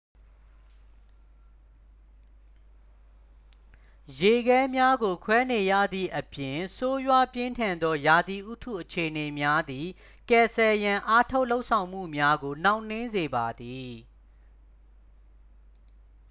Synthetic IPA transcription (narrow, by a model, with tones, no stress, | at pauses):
je˨ɡɛ˦mja˦ɡo˨kʰwɛ˦ne˨jä̰˦˨d̪ðḭ˦˨ʔəpjɪ̃˨so˦jwa˦pjɪ̃˦ntʰã˨nd̪ɔ˦ja˨d̪i˨ʔu˦tʰṵ˦˨ʔət͡ɕʰe˨əne˨mja˦d̪i˨ | kɛ˨sɛ˨jã˨ʔa˦tʰo˦ʊʔlo˦ʊʔsʰã˨ʊ̃m̥ṵ˦˨mja˦ɡo˨n̥ã˦ʊ̃n̥ɪ̃˦nze˨ba˨d̪i˨